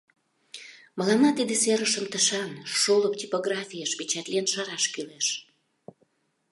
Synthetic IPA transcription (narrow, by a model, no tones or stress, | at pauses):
məlɑmɑt̪id̪eseɾəʃəmt̪əʃɑnʃoləp̚tʲipoɣrɑfʲijəʃpit͡ɕɑt̪lienʃɑɾɑʃkyleʃ